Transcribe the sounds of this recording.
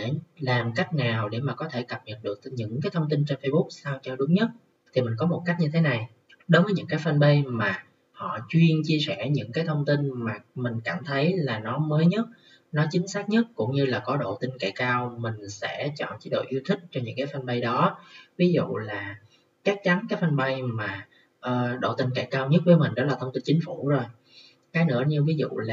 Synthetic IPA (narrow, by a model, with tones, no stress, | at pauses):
ɗe˧˩laː˨˩mka˦˥jk̟̚ŋaː˨˩wɗe˧˩maː˨˩kɔ˨˦t̪ʰe˧˩kə˨˩p̚ɲə˨˩t̚ɗɨ˨˩ək̚ɲɨ̰˧˥ŋkaː˨˦jt̪ʰə˧wŋ͡mt̪i˧nt͡ɕe˧nfə˧jɓʊ˦˥k̚saː˧wt͡ɕɔ˧ɗʊ˨˦ŋ͡mɲə˦˥t̚ | t̪ʰi˨˩mi˨˩ŋ̟kɔ˨˦mo˨˩t̚ka˦˥k̚ɲɨ˧t̪ʰe˨˦na˨˩j | ɗo˨˦və˨˦ɲɨ̰˧˥ŋkaː˨˦jfə˧nɓə˧jmaː˨˩ | hɔ̰˧˨t͡ɕwi˧ənt͡ɕi˧əsɛ̰˧˩ɲɨ̰˧˥ŋkaː˨˦jt̪ʰə˧wŋ͡mt̪i˧nmaː˨˩mï˨˩ŋ̟kaː˧˩mt̪ʰə˨˦jlaː˨˩nɔ˨˦məː˨˦jɲə˦˥t̚ | nɔ˨˦t͡ɕï˨˦ŋ̟saː˦˥k̚ɲə˦˥t̚kʊ̰˧˥ŋ͡mɲɨ˧laː˨˩kɔ˨˦ɗo̰˧˨t̪ï˧ŋka˧˩kaː˧wmï˨˩ŋ̟sɛ̰˧˥t͡ɕɔ̰˧˨nt͡ɕi˨˦ɗo̰˧˨ʔi˧wt̪ʰï˦˥k̚t͡ɕɔ˧ɲɨ̰˧˥ŋkaː˨˦jfa˧nɓə˧jɗɔ˨˦vi˨˦zṵ˧˨laː˨˩ | t͡ɕa˦˥k̚t͡ɕa˨˦nkaː˦jk̚fa˧nɓa˧jmaː˨˩ | ʔəː˨˩ɗo̰˧˨t̪ï˧ŋka˧˩jkaː˧wɲə˦˥t̚vəː˨˦mï˨˩ŋ̟ɗɔ̰˨˦laː˨˩t̪ʰə˧wŋ͡mt̪i˧nt͡ɕï˨˦ŋ̟fu˧˩zo˨˩j | kaː˨˦jnɨ̰˧˥əɲɨ˧vi˨˦zṵ˧˨lː